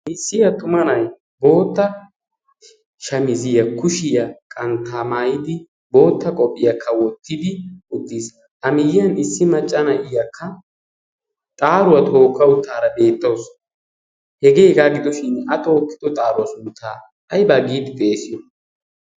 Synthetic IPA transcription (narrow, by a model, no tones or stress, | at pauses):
ʔɪsːɪjɐt̪ʊmɐnɐj | bo̞ːt̪ːɐ | ʃɐmɪzɪjɐkʊʃɪjɐkʼɐnt̪aːmaːjɪd̪ɪ | bo̞ːt̪ːɐkʼɔpʼːɪjɐkʰːɐwɔt̪ːɪd̪ɪʔʊt̪ːis | ʔɐmɪjɪjɐnɪsːɪmɐt͡ʃʼːɐnɐʔɪjɐkʰːɐ | t̪ʼaːɾʊwɐt̪ʰo̞ːkːɐʊt̪ːaːɾɐbe̞ːt̪ːɐws | hɛɡeːɡaːɡɪd̪ɔʃɪnɐt̪oːkːɪ̥d̪ɔt̪ʼaːɾʊwɐsuːt̪ʰːaː | ɐjbɐɡiːd̪ɪt̪ʼeːsɪjɔ